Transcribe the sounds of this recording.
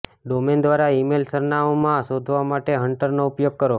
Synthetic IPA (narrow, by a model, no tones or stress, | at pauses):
ɖomend̪ʋaɾaimelsəɾnaomãsod̪ʱʋamaʈeɦəɳʈəɾnoupjoɡ̚kəɾo